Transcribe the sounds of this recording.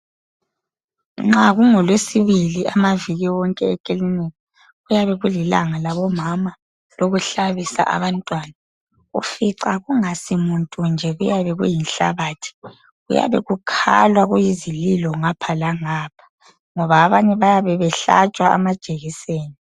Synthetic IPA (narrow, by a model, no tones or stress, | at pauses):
ŋ͡ǁaɣuŋɔlwesiβiliamaviɣiwɔŋkʼɛɛkʼilinika | ujaβɛɣulila̰ŋalaβɔmama | loɣuɬaβisa̰ʔa̰βantʼwaːna | ṵfiǀaɣuŋasimuntʼund͡ʒʱɛɣujaβɛɣṵjinɬa̰βaːtʰi̥ | ɣṵja̰βɛ̰ɣukʰa̰lwaɣujizililɔŋapʰalaŋapʰḁ | ŋɔβaːβaɲɛβajaβɛβɛɬa̰t͡ʃʼwaa̰mad̥ʒ̥ʼʱeɣiseːni